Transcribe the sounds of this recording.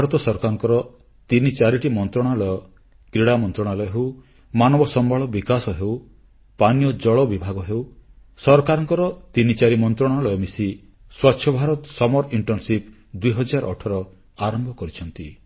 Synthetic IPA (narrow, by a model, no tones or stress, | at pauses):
bʱaɾɔt̪ɔsɔɾɔkaɾɔŋkɔɾɔ | t̪init͡ʃaɾiʈimɔnt̪ɾɔɽ̃alɔjɔ | kɾiɽamɔnt̪ɾɔɽ̃alɔjɔɦew | manɔbɔsɔmbaɭɔbikasɔɦew | panjɔd͡ʒɔɭɔbibʱaɡɔɦew | sɔɾkaɾɔŋkɔɾɔt̪init͡ʃaɾimɔnt̪ɾɔɽ̃alɔjɔmisi | swatːʃʰjɔbʱaɾɔt̪ɔsɔmɔɾiɳʈɔnsip | d̪uiɦɔd͡ʒaɾɔʈʰɔɾɔ | aɾɔmbʱɔkɔɾit͡ʃʰɔnt̪i